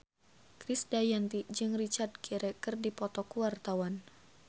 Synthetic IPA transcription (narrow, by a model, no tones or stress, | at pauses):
kɾisdajant̪id͡ʒɨŋrit͡ʃard̚kiɾɛkɨrdipɔt̪ɔkuwart̪awan